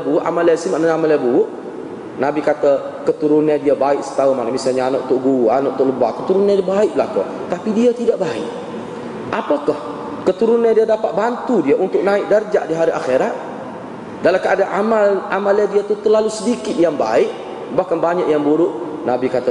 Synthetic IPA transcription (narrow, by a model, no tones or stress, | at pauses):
buʔa̰malsimaʔnaamalabuʊʔ | nabikat̪akət̪uɾʊnɲadiabaɪk̚sə̥t̪aumanamisalɲaanɔʔt̪ʊʔɡuanɔʔt̪ʊʔləbakət̪uɾʊnadiabaɪʔlahkɔ | t̪apidiat̪idaʔbaɪ̰ʔ | ʔapakah | kət̪uɾʊnɲadiadapat̪̚bant̪udiaʔunt̪ʊk̚naɪʔ̚dərd͡ʒaʔdiɦaɾiʔa̰xeɾat̪̚ | dalamkaadaʔamalamaladiat̪ut̪ərlalusədikɪt̪̚jaŋba̰ɪʔ̚ | bahkanbaɲaʔjaŋbuɾʊʔnabikat̪a